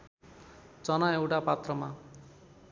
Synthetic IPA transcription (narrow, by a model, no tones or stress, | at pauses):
t͡sʌnaewʈapat̪rʌma